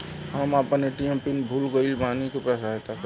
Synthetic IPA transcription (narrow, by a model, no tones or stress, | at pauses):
həməpəneʈijəmpinbʱulɡəilbʱanikepɛsaɦet̪ak